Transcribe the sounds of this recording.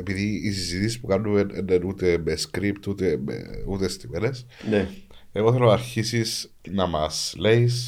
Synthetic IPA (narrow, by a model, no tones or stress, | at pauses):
epiðiːsizit̪isispukɐnːumḛnenut̪e̞meskɾipt̪ut̪emḛut̪est̪imenesneeɣoθe̞lonɐɾçisis | nɐmɐsle̞is